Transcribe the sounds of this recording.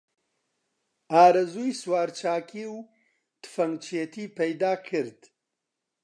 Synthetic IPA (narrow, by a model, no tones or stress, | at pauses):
aːɾɐzuːjswaːɾt͡ʃʰaːkʰiw | t̪ʰɨ̥fɐŋt͡ʃʰet̪ʰiːpʰɐjd̪aːkʰɨɾd̪̥